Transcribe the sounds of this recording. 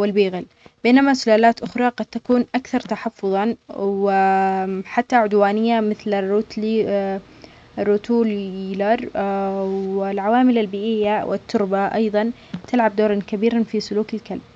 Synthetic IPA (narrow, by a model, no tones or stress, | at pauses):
wɪlbiːɣɪl | b̥eːnamasʊlaːlaːt̪ʔʊxɾˤɑqɑd̪̚t̪ːakuːnʔakθɑɾˤt̪aħɑfːʊðˤɑwɪ | ħat̪ːaʕʊd̪waːnɪjːamɪθlarːuːt̪l | rːʊt̪uːllɑɾˤ | wɪlʕawaːmɪlalbiːʔɪjːawʔɪ̰t̪ʰːʊɾbaʔɑ̰jðˤɑn | t̪ɪlʕab̚d̪oːɾˤɑnkabiːɾanfisʊluːkɪlkalb̚